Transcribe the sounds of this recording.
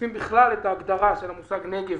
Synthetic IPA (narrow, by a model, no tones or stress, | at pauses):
imbiχlalet̪aːɡd̪aʁaʃelamusaɡneɡev